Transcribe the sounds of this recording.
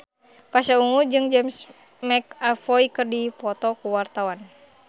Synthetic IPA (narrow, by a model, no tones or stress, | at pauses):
paʃauŋud͡ʒɨŋd͡ʒɛms | mɛkafɔikɨrdipɔt̪ɔkuwart̪awan